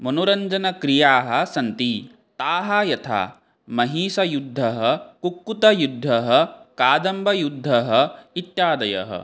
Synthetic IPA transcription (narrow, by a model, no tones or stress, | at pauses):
mɐnuɾɐɲd͡ʒɐnɐkɾijaːɦɐ̆sɐnt̪i | t̪aːɦɐjɐt̪ʰa̰ː | mɐɦiːsɐjud̪ʱːɐɦɐkukːut̪ɐjud̪ʱːɐɦɐkaːd̪ɐmbʱɐjud̪ʱːɐɦɐit̪jaːd̪ɐjɐ̰ɦɐ̰